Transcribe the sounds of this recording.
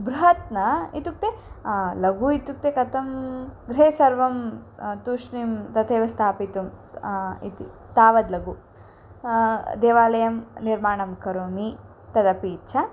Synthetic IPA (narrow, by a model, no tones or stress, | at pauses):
bɾuɦɐt̪nɐit̪uk̚t̪elɐɡuit̪uk̚t̪ekɐt̪ɐmɡɾeːsɐɾʋɐmt̪uʂnimt̪ɐt̪ʰeːʋɐst̪ʰaːpit̪um | it̪i | t̪aːʋɐd̪lɐɡu | d̪eːʋaːlɐjɐmniɾmaːɳɐmkɐɾoːmi | t̪ɐd̪ɐpiːt͡ʃʰɐ